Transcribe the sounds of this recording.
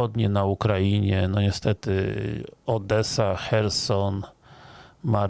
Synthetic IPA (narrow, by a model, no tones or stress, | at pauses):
ɔd̪ɲɛnaukɾajiɲɛnɔɲɛst̪ɛt̪ɘ | ɔd̪ɛsaxɛɾsɔn | maɾ